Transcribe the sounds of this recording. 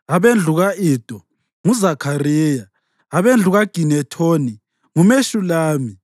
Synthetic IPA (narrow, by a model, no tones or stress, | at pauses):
aβend͡ɮʱuɣaiːd̥ʱɔ | ŋuzakʰariːjaː | βend͡ɮʱuɣaɡ̥ʱinɛtʰoːni | ŋumeʃulaːmi